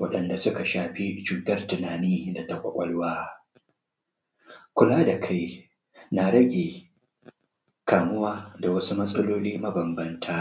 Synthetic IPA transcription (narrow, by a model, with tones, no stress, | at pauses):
wɐ̰˦ɗɐ˨nda˨sʊ˦ka˨ʃaː˨ɸi˦t͡ʃuː˨tɐ˦rtʊ˨naː˨niː˦da˨ta˦kʷʼɐ̰˦kʷʼɐ˦lwaː˦ | kʷʊ˦laː˦da˨kʰa˦j | na˨ɽɐ˦ɡʲeː˨ | kaː˨mʊ˦waː˦da˨wɐ˦su˦mɐ˦sʼɐ˦loː˦liː˦mɐ˦bɐ˨mbɐ˦ntʰaː˦